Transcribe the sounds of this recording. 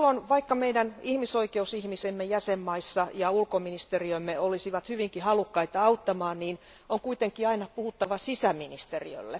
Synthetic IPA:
lːonʋɑikːɑmeiɾænihmisoikeusihmisemːejæsemːɑisːɑjɑulkominist̪eriøimːeolisiʋɑt̪hyʋiŋkihɑlukːɑit̪ɑɑut̪ːɑmɑːnniːn | oŋkuit̪eŋkiɑinɑpuhut̪ːɑʋɑsisæminist̪erḭø̰lːḛ

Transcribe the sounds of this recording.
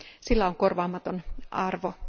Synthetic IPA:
silːæoŋkorʋɑːmɑt̪onɑrʋo

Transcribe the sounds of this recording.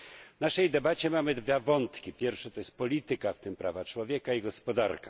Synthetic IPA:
vnaʂɛjd̪ɛbat͡ɕɛmamɘd̪vʲavɔnt̪kʲipʲjɛɾfʂat̪ɔjɛst̪̚pɔlʲit̪ɘkaft̪ɘmpɾavat͡ʂwɔvʲjɛkaiɡɔspɔd̪aɾkḁ

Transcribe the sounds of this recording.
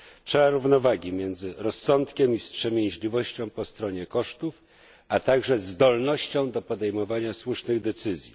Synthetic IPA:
tʂɛaɾuvnɔvaɡʲimʲjɛnd̪zɘɾɔsːɔnt̪kʲɛmifstʂɛmʲjɛj̃ʑlʲivɔɕt͡ɕɔ̃w̃pɔst̪ɾɔɲɛkɔʂt̪uf | at̪aɡʐɛzd̪ɔlnɔɕt͡ɕɔ̃w̃d̪ɔpɔd̪ɛjmɔvaɲaswuʂnɘɣd̪ɛt̪sɘzʲji

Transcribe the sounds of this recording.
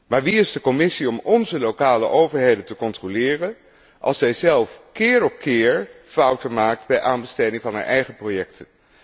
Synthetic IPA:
maːɹʋiɪzdəkɔmɪsiɔmɔnzəlowkaːlə̰ʔowvəɹɦejdəntəkɔntrolɪːrən | ʔɑ̰lˠsɛjzɛlˠfkɪːɹɔpkɪːɹfʌwtəmaːk̚tbɛjʔaːnbəstejdɪŋvɑnɦa̰ːɹʔɛjχəprowjɛktʰən

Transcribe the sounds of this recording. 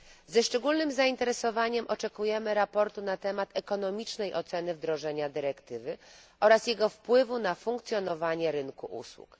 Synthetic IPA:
zɛʂt͡ʂɛɡulnɘmzaint̪ɛɾɛsɔvaɲɛmʔɔt͡ʂɛkujɛmɘɾapɔɾt̪unat̪ɛmat̪ɛkɔn̪ɔmʲit͡ʂnɛjʔɔt̪sɛnɘvd̪ɾɔʐɛɲad̪ɘɾɛkt̪ɘvɘʔɔɾasjɛɡɔfpwɘvunafuŋkt̪sʲjɔnɔvaɲɛɾɘnkuʔṵswṵk

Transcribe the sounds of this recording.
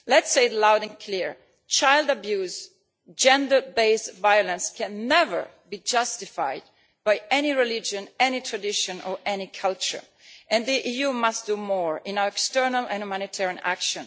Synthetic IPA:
lɛtseɪlawdɛ̃nkʰliɹ | t͡ʃajldabjuːz | d͡ʒɛ̃ndə˞beɪsvajɔlə̃nskʰɛ̃nːɛvə̰˞ | bid͡ʒʌst̪ɪfa̰jd̚ | b̥ajɛniɹɛlid͡ʒə̃nɛnitʰɹadɪʃɔ̃nɔɹʔɛnikʰalt͡ʃə̰˞ | ʔɛ̃nd̪iʔijumastd̥umɔɹɪ̃nawəɹɛkstɜɹnalɛ̃njumãnit̪ʰɛɹiãna̰kʃɔ̃n

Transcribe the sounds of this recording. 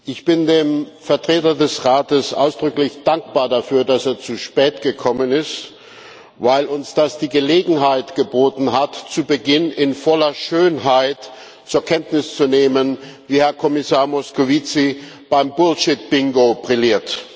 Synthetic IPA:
ʔɪçb̥ɪndeːmfɛɐtʁ̥eːtɐdɛsʁaːtəsʔa̰ʊsd̥ʁʏklɪçd̥aŋk̚b̥aːɐdafyːɐdaseːɐt͡suʃpɛːtɡ̥əkʰɔmənɪst | vaɪlʊnsd̥asd̥iːɡəleːɡŋ̩ɦaɪtɡ̥əboːtn̩ɦatt͡subəɡɪnɪnfɔlɐʃøːnɦaɪt | t͡suːɐkʰɛntnɪst͡suneːmənviːhɛɐkʰɔmɪsaːɐmɔskovit͡sib̥aɪmbʊlʃɪt̚b̥ɪŋɡobʁɪliːɐt

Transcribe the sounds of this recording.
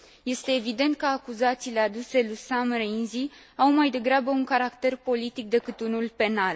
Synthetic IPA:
je̞st̪e̞ːvid̪e̞nt̪̚kəakuzat̪siːle̞ad̪use̞lusamreinzi | awmajd̪e̞ɡɾabəuŋkaɾakt̪e̞rpo̞lit̪ik̚d̪e̞kɨt̪unulpe̞nal

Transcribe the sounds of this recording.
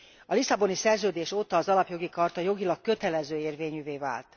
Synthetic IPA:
ɒlisɒbo̞nisɛrzøːd̪eːʃot̪ːɒːzɒlɒpjo̞ɡikɒrt̪ɒjo̞ɡilɒk̚kːø̞t̪ɛlɛzøːeːrveːɲyːveːva̰ːlt̪

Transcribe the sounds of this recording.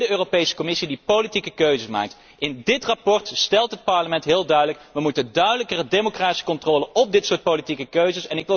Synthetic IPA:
dəøːropejsə̥kɔmɪsidipowlitikəkøɥzəsma̰ːk̚t | ɪndɪtrapɔɹtstɛlˠtɦət̚pɑɹləmɛntɦɪːlˠdœɥdələkʋəmutəndœɥdələkərədemokraːti̥sə̥kɔntroːləɔb̚dɪtsʊːɹt̚politikəkøɥzəsɛnɪkʋɪ

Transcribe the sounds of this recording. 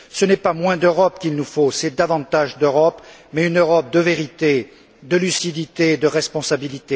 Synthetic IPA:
sənɛpamwɛ̃d̪øʁɔpkʲilnufosɛd̪avɑ̃t̪aʒd̪øʁɔpmɛynøʁɔp̚d̪əveʁit̪e | d̪əlysid̪it̪ed̪əʁɛspɔ̃sabilit̪e

